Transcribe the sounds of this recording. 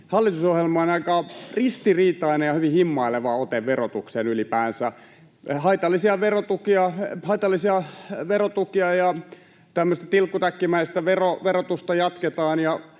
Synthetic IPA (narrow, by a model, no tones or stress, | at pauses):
hɑlːit̪usohjelmɑonɑikɑrist̪iriːt̪ɑinejɑhyʋihimːɑileʋɑot̪eʋʋerot̪uksenylipæːnsæ | hɑit̪ɑlːˑisiɑʋerot̪ukiɑhɑit̪ɑlːisiɑʋerot̪ukiɑjɑ | t̪æmːøst̪ɑt̪ilkːut̪ækːimæist̪æʋeroʋerot̪ust̪ɑjɑt̪ket̪ɑːnjɑ